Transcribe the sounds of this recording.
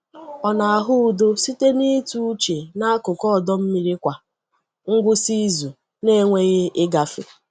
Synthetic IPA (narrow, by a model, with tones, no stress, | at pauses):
ɔ˨na˨a˨ɦʊ˦u˨do˦si˦te˦ni˦tu˦t͡ʃe˨na˦kʊ˨kɔ˦˨dɔ˦m̩˦mi˦ɾi˦kʷa˨ | ŋ̩˦ɡʷʊ˦si˦zu˨ | ne˦ŋʷe˦ɣe˦ʔɪ˦ɡa˨fɪ̰˨